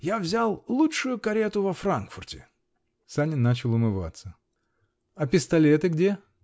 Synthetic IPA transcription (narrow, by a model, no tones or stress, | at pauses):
javzʲalˠlˠutʂʊjʊkɐɾʲet̪ʊvɐfɾankfʊrtʲɪ̰ | sanʲɪnːat͡ɕɪlˠʊmɨva̰t̪sə | ɐpʲɪst̪ɐlʲet̪ɨɡdʲe̞